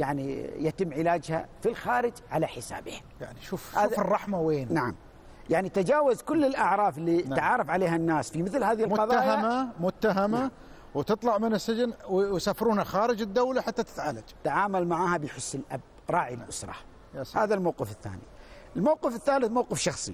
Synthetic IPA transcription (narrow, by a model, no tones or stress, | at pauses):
jaʕnḭjat̪ɪmːʕɪlaːd͡ʒha̰filxaːɾɪd͡ʒʕalaħɪsa̰ːbḛː | ja̰ʕniʃuːfhaʃːuːfrˤːɑħmaweːnnaʕa̰m | jaʕnit̪ad͡ʒaːwazkʊlːɪlʔaʕɾˤɑːflːit̪ʕɑːɾˤɑfʕaleːhanːaːsfimɪθlhaːðihɪlmʊtqɑðˤaːjaamamʊt̪ːaɦama | wt̪ɨt̪ˤlɑʕmɪnɪsːɪd͡ʒɪnwwsaːfɾuːnaxaːɾɪd͡ʒɪd̪ːawlaħat̪ːat̪ɪ̥t̪ʕaːlad͡ʒt̪aʕaːmalmaʕaːhabɪjħʊsːɪlʔab | ɾˤɑːʕilʔʊsɾˤɑ̰ | jahaːðalmawqɪfɪθːa̰ːnḭ | ɪlmawqɪfɪθːaːlɪθmawqɪfʃɑxsˤi